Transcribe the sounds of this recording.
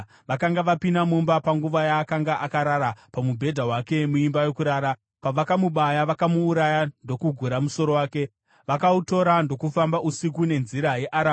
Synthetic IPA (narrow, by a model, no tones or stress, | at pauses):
ʋakaŋɡaʋapinamombapaŋɡuʋajaːkaŋɡaʔakaɾaɾapamubʱe̞dʱaɦwake̞muimbajo̞kuɾaːɾa | paʋakamuɓajaʋakamuːɾajando̞kuɡʱuɾamuso̞ɾo̞waːke̞ | ʋakauto̞ɾando̞kufambaʔusikune̞nziɾaje̞ʔaɾa